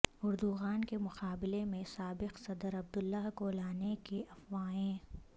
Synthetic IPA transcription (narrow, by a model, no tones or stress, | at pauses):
ʊɾd̪uɣaːnkemʊqaːbɪlemẽsaːbɪqsɐd̪əɾɐb̚d̪ʊlːaɦkolaːnekeʔɐfwaːẽː